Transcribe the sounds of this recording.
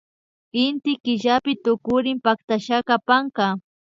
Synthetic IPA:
ɪnt̪ɪkɪʒapɪt̪ʊkʊɾɪmpak̚t̪aʃakapaŋka

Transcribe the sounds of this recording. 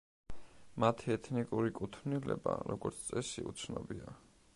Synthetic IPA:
mat̪ʰiɛt̪ʰnikʼuɾikʼut̪ʰnilɛbaɾɔɡɔɾt̪sʰt̪sʼɛsiut̪sʰnɔbia

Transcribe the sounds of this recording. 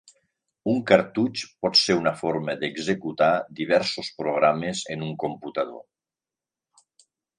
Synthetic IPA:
uŋkaɾt̪ut͡ʃpɔt̪seunafoɾməðəɡzəkut̪ad̪iβ̞ɛɾsospɾoɣ̞ɾaməzenuŋkomput̪að̞o̰

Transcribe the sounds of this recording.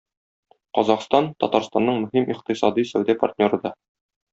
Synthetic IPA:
qɒzɑqst̪ɑnt̪ɒ̰t̪ɑɾst̪ɑnːɤɴmɵ̆himʔiqt̪isɑd̪isæwd̪æpɐ̰rt̪̚ʲnʲo̞ɾɤ̆d̪ɑ

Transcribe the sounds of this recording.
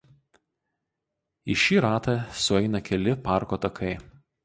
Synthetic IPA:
ɪʃʲiːɾɑːt̪ɑsʊɛɪnɐkʲɛlʲɪpɑˑɾkoːt̪ɐkʰɐɪ

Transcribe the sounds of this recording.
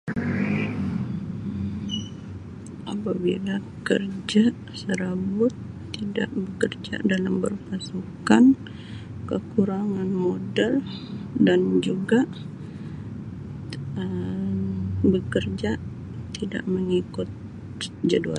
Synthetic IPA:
ʔapabila | kə̰rd͡ʒa | səɾabʊt̪ː | ida̰ʔbəkərd͡ʒa̰ʔdalambərpasukan | kəkuɾaŋanmodɛldand͡ʒuɡaʔ | ə | bəkərd͡ʒa | t̪ida̰ʔməŋikʊt̪̚ | d͡ʒədua̰

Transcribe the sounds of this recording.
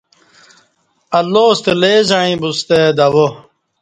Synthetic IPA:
ɐlːoːst̪eleːzaːĩbust̪ed̪ɐwo

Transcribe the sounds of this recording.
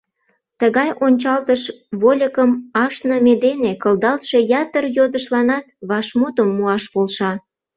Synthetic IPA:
t̪əɣɑjʔonʲt͡ɕɑlt̪əʃβolʲəkəmɑʃnəmed̪enekəld̪ɑlt̪ʃe̽jɑt̪ərjod̪əʃlɑnɑt̪̚βɑʃmut̪əmːuɑʃpolʃɑ

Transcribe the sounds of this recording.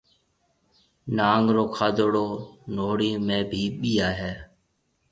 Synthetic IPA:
naːŋɾoːkʰaːd̪oːɽoːnoːɽiːmẽːbʱiːɓiːaːɦɛː

